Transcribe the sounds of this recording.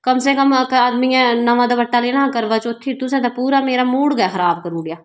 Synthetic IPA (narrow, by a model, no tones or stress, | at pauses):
kəmsẽːkəmaːd̪mijãːnəʋãːd̪aːbəʈːaːleːnãːkəɾʋaːt͡ʃot̪ʰːiːt̪ʊsẽːt̪aːpuːɾaːmeːɾaːmuːɽɡaːxʰəɾaːb̚kəɾuːɡjaː